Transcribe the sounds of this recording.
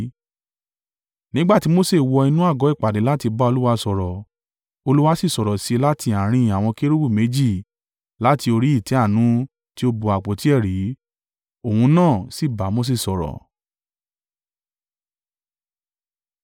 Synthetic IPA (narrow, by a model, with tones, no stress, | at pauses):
nĩ˦ɡ͡ba˦˨ti˨˦mo˦se˦˨wɔ˧i˧nũ˦a˦˨ɡɔ˨˦i˦˨k͡pa˨de˨˦la˦ti˧ba˦o˧lu˦wa˧sɔ˨ɾɔ˨ | o˧lu˦wa˦si˦˨sɔ˨ɾɔ˨si˧la˦ti˧a˨ɾ̃ĩ˧˨a˨w̃ɔ̃˧ke˦ɾu˦bu˦˨me˨˦d͡ʒi˦˨ | la˦ti˧o˧ɾi˦i˦˨tɛ˨˦a˦˨nũ˨˦ | ti˦o˧bu˨a˨k͡po˨˦ti˨˦ɛ˦˨ɾi˨˦ | o˦˨hũ˧nãː˦˨si˦˨ba˨˦mo˦s̬e˦˨sɔ˨ɾɔ̰˨